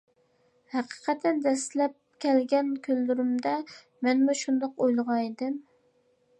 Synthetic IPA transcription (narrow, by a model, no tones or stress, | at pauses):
hæqʰə̥qʰɛt̪ʰɛnd̪ɛst̪lɛp̚kʲʰɛlɡʲɛnkʲʰølːyɾɪmd̪ɛ | mɛnmuʃund̪ɑqojlˠʁɑd̪ɪm